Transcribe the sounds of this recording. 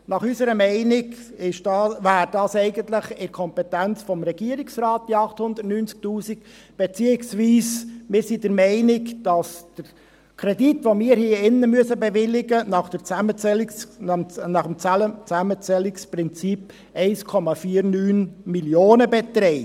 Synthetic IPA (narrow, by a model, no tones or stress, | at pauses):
nɑχysəɾəmɛɪnɪɡ | ɪʃd̥ɑvæːɾdɑːsɛɪɡəntlɪχɪɾkʰɔmpɛtænt͡sfɔmɾɛɡ̥iəɾiksrɑːt̚d̥iɑχthʊnd̪ətnyːnt͡sk̚tuːsik | b̥ɛt͡siːɪksʋiːsmɪːɾsidəɾmɛɪnɪkd̥ɑsd̥əɾ | kʰɾɛditʋomɪːəɾhiːɪnːəmyəsəbɛvɪlɪɡənɑχd̥əɾt͡sæmət͡sɛl | nɑχəmt͡sət͡sæmət͡sɛlːɪksprɪnt͡sip | ɛɪskʰɔmɑfiːəɾnyːnmiljoːnəbɛt̪ɾɛɪ